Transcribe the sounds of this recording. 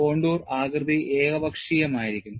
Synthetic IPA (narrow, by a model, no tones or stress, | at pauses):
o̞ːɳɖuːraːɡrɨd̪ʱiʔe̞ːɡɐbʱɐkʂiːjɐmaːjiɾikʲːum